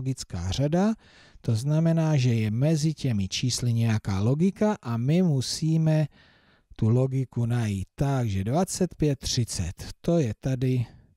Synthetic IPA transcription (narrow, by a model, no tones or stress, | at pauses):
ɡɪt͡ska̰ːr̝ada | t̪o̞znamɛnaːʒɛjɛmɛzɪcɛmɪt͡ʃiːslɪɲɛjakaːlo̞ɡɪkaʔamɪmusiːmɛ | t̪ulo̞ɡɪkunajiːt̪ːaɡʒɛdvat͡sɛt̪pjɛt̪̚ːr̝̥ɪt͡sɛ̰t̪ːo̞jɛt̪adɪ